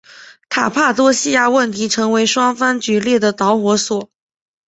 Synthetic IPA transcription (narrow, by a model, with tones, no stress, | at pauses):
t̪ʰa˨˩pʰa˥˩t̪wɔ˥ɕi˥˧ja˥˩wə˥˩nt̪ʰi˧˥ʈ͡ʂʰɤ˧˥ŋwe˧˥ɪʂwɑ˥ŋfa˥nt͡ɕy˨˥ljɛ˥˩d̪ə˩t̪ɑ˧˥ʊxwɔ˧˥swɔ˨˩˦